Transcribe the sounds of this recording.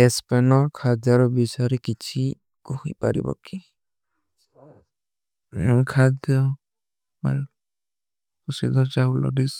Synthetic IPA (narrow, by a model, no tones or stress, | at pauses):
ɛspɛnɔɹkʰad̪jɔɾɔbisaɾikit͡ʃʰi | kɔhijpa̰ɾḭbɔ̰ki | kʰad̪jɔ | ma̰l | kusid̪ʱɔd͡ʒawlɔ̰dis